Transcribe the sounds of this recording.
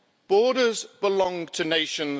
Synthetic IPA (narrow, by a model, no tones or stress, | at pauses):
b̥ɔːɾəzb̥ɪlɒ̃ŋtʰəneɪʃə̃n